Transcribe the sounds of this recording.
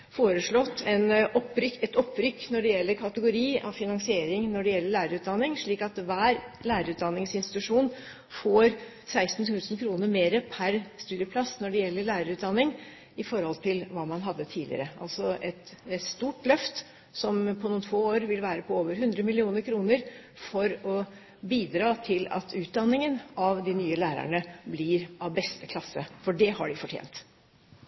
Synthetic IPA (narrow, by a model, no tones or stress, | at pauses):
foːɾəʂɭɔt̪ːɛnɔpːɾʏɛt̪ɔpːɾʏkːnɔɖɛjɛlːəɾkʰɑt̪əɡʊɾiːɑ̰ʋfɪnɑŋsɪeːɾɪŋnɔɖɛjɛlːəɭæːɾəɾʉːd̪ɑnːɪŋʂɭiːkɑt̪ʋæːɾlæːɾəɾʉːt̪̚d̪ɑnːɪŋsɪnsɪt̪ʉʂuːn | foːɾ | sæɪst̪n̩t̪ʰʉːsən̩kʰɾuːnəɾmeːɾəpʰæɾst̪ʉːd̪ɪəpʰlɑsnɔɖɛjɛlːəlæːɾəɾʉːt̪d̪ɑnːɪŋ | ɪfɔɾhɔlt̪ʰɪlʋɑːmɑnɦɑd̪ːət̪ʰiːlɪ̰ə̰ɾəʔɑ̰lsɔʔɛt̪st̪uːʈlœft̪ | sɔmpʰɔnuːnt̪ʰoːoːɾʋɪlʋæːɾəpʰɔoːʋəɾɦʉnd̪ɾəmɪlɪuːnəɾkʰɾuːnəɾ | fɔɾɔ | biːd̪ɾɑːt̪ʰɪlɑ̰t̪ʰʉːt̪̚d̪ɑnːɪŋənɑʋd̪ɪnyːəlæːɾæ̰ɳəblɪɾʔɑʋbɛst̪əkʰlɑsːəfɔɖɛhɑ̰ɖɪfɔʈʰjḛːnt̪